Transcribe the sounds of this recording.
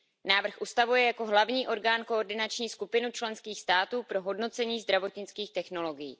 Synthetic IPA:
naːvr̩xʔust̪avujɛjako̞ɦlavɲiːʔo̞ɾɡaːnkooɾdɪnat͡ʃɲiːskupɪnut͡ʃlɛnskiːxst̪aːt̪uːpɾo̞ɦo̞dno̞t͡sɛɲiːzd̪ɾavo̞t̪ɲɪt͡skiːxt̪ɛxno̞lo̞ɡɪjḭː

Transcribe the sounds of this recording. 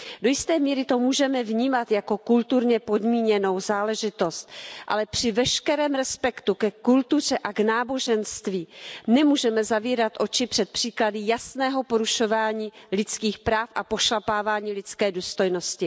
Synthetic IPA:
do̞jɪst̪ɛːmiːɾɪt̪o̞muːʒɛmɛvɲiːmat̪jako̞kult̪uɾɲɛpo̞dmiːɲɛno̞wzaːlɛʒɪt̪o̞st̪ʔa̰lɛpr̥ɪvɛʃkɛɾɛːmɾɛspɛkt̪ukɛkult̪ur̝ɛʔaɡnaːbo̞ʒɛnst̪viːnɛmuːʒɛmɛzaviːɾat̪ʔo̞t͡ʃɪpr̝̥ɛt̪̚pr̥iːkladɪjasnɛːɦo̞po̞ɾuʃo̞vaːɲiːlɪt͡skiːxpɾaːfʔapo̞ʃlapaːvaːɲiːlɪt͡skɛːduːst̪o̞jno̞scɪ

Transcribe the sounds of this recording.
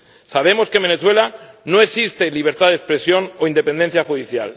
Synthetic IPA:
saβ̞e̞mo̞ske̞mbe̞neθwe̞lano̞e̞ksist̪e̞liβ̞e̞ɾt̪aðekspɾe̞sjo̞no̞ind̪e̞pe̞nd̪en̟θjaxuðiθjal

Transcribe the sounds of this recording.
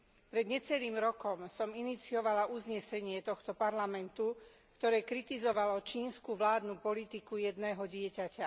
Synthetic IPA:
pɾɛd̪ɲɛt͡sɛliːmɾɔkɔmsɔminit͡siɔʋalaʔuzɲɛsɛɲɪɛt̪ɔxt̪ɔpaɾlamɛnt̪u | kt̪ɔɾɛːkɾit̪izɔʋalɔt͡ʃiːnskuʋlaːd̪nupɔlit̪ikujɛd̪nɛːɦɔɟɪɛcaca

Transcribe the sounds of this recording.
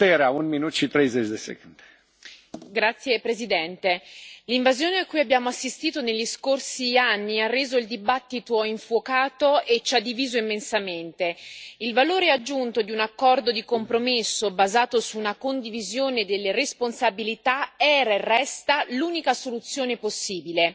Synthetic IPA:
t̪eɾeaunminut̪ʃit̪ɾejzet͡ʃd̪esḛkund̪̥e̥ | ɡɾat̪sːjepɾezid̪ɛnt̪eliɱvazjoːneakːujabːjaːmoasːist̪iːt̪oneʎːiskorsianːiarːeːzoild̪ibat̪ːit̪oiɱfwokaːt̪oet͡ʃːad̪ːiviːzoimːensament̪eilvaloːɾead͡ʒːunt̪od̪iunakːɔrd̪od̪ikompɾomesːobazaːt̪osuːnakond̪ivizjoːned̪elːeɾesponsabilit̪aɛːɾaerːɛst̪aluːnikasolut̪sːjoːneposːiːbile

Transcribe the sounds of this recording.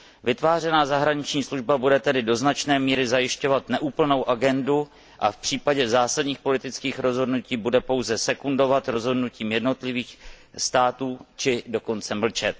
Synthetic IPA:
vɪt̪vaːrɛnaːzaɦɾaɲɪt͡ʃɲiːsluʒbabudɛt̪ɛdɪdo̞znat͡ʃnɛːmiːɾɪzajɪʃco̞vat̪nɛʔuːpl̩no̞wʔaɡɛndu | ʔafpr̥iːpaɟɛzaːsadɲiːxpo̞lɪt̪ɪt͡skiːxɾo̞zɦo̞dnuciːbudɛpo̞wzɛsɛkundo̞vat̪ɾo̞zɦo̞dnuciːmjɛdno̞t̪lɪviːx | st̪aːt̪uːt͡ʃɪdo̞ko̞nt͡sɛml̩t͡ʃɛt̪̚

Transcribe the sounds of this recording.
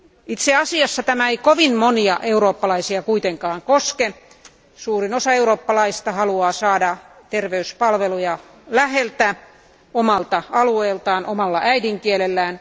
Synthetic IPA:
it̪seɑsiɑsːɑt̪æmæeikoʋinmoniɑ̰ʔeuɾoːpːɑlɑisiɑkuit̪eŋkɑːŋkoske | suːrinosɑeuroːpːɑlɑist̪ɑhɑluɑːsɑːdɑ | t̪erʋeyspɑlʋelujɑ | læhelt̪æ | omɑlt̪ɑɑlueːlt̪ɑːnʔomɑlːɑʔæidiŋkielelːæːn

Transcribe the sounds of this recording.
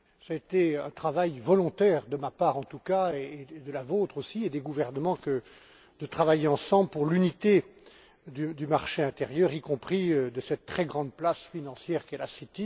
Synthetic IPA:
saet̪eɛ̰̃t̪χavajvɔlɔ̃t̪ɛːʁd̪əmapaːʁɑ̃t̪ukaeːd̪əlavot̪χosied̪eɡuvɛʁnəmɑ̃kə | d̪̥ət̪χavajeɑ̃sɑ̃blpuʁlynit̪e | d̪yd̪ymaʁʃeɛ̃t̪eʁjœʁikɔ̃pχiød̪əsɛt̪ːχɛɡʁɑ̃d̪̚plasfinɑ̃sjɛʁkʲɛlasit̪i

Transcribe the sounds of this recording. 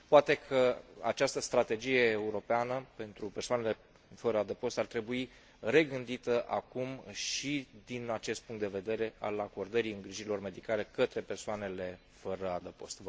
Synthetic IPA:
poat̪e̞kʰəa̰t͡ʃast̪əst̪ɾat̪e̞d͡ʒije̞ːuɾo̞peanəpe̞nt̪ɾupe̞rsoanele̞ | fəɾəad̪əpo̞st̪art̪ɾe̞bui | re̞ɡɨnd̪it̪əʔakumʃid̪inat͡ʃe̞st̪̚puŋkt̪d̪e̞ve̞d̪e̞ɾe̞a̰lako̞rd̪əɾiɨŋɡɾiʒiɾilo̞rme̞d̪ikale̞kət̪ɾe̞pe̞rsoane̞le̞ | fəɾəad̪əpo̞̰st̪v

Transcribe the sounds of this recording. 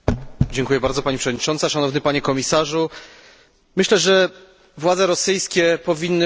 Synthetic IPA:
d͡ʑɛŋkujɛbaɾd̪zɔpaɲipʂɛvɔd̪ɲit͡ʂɔnt̪saʂanɔvnɘpaɲɛkɔmʲisaʐu | mɘɕlɛʐɛ | vwad̪zɛɾɔsɘjskʲɛpɔvʲinːɘ

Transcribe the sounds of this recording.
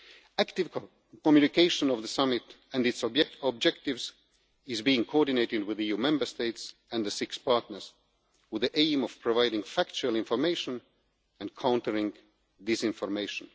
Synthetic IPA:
æktɪv̥ | kɔmjʉnɪkʰeɪʃə̃nʌvðəsʌmɪt | æ̃nɨtsɔbɛɔb̚d͡ʒɛk̚tɪvz | ɪzbiɪ̃ŋkʰɔɹdɪneɪɾɪd̚wɪðijumɛ̃mbə˞steɪtsɨ̃nðəsɪkspʰɑɹtnə˞z̥ | wɪðiʔẽɪ̃mɔv̥pʰɹ̥ɔvaɪɾɪ̃ŋfækt͡ʃulˠɪ̃ɱfɔɹmeɪʃə̃n | ɨ̃nkʰãʊ̃ntəɹɪ̃ŋ | dɪsɪ̃ɱfɔɹmeɪʃə̃n

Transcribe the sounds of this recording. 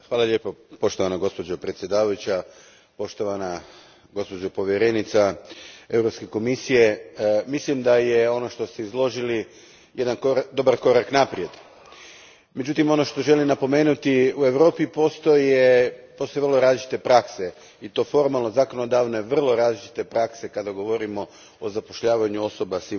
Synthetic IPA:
xʋaːlˠaʎʲje̞ːpopo̞ʃt̪o̞ʋanaɡo̞spo̞d͡ʑopɾet̪sʲje̞d̪aːʋajut͡ɕa | po̞ʃt̪o̞ʋana | ɡo̞spo̞d͡ʑopo̞ʋjeɾe̞nit̪sae̞vɾopske̞ko̞misije̞mislimd̪aje̞o̞no̞ʃt̪o̞st̪eizlˠo̞ʒili | jʔe̞d̪ankod̪o̞baɾko̞ɾaknapɾje̞d̪ | me̞d͡ʑut̪imo̞no̞ʃt̪o̞ʒe̞limnapo̞me̞ːnut̪iue̞ʋɾo̞ːpipo̞st̪ojepost̪oeʋrloɾaːzlit͡ʃi̥t̪e̞pɾakse̞ | it̪o̞ːfo̞ɾmalˠno̞zako̞no̞d̪aːʋneʋr̩lˠo̞ɾaːzlit͡ʃi̥t̪e̞pɾakse̞kad̪aɡo̞ʋo̞ɾimo̞ | ozapo̞ʃʎaːʋaɲuo̞so̞basi

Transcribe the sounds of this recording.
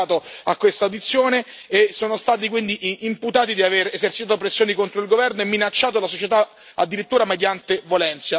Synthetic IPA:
t̪oakːwest̪awd̪it̪sːjoːne | esːoːnost̪aːt̪̬ikwind̪iʔʔimput̪aːt̪id̪iaveɾezert͡ʃit̪aːt̪opɾesːjoːnikont̪ɾoilɡovɛrnoemːinat͡ʃːaːt̪̬olasot͡ʃet̪a | a̰d̪ːiɾit̪ːuːɾamed̪jant̪evjolɛnt̪sja

